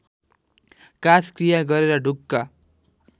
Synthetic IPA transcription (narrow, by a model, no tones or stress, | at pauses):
kaskrijaɡʌɾeɾʌɖʱukːa